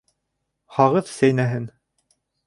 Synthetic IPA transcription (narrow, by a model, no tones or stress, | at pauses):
hɑʁɤðsæjnæɦɘn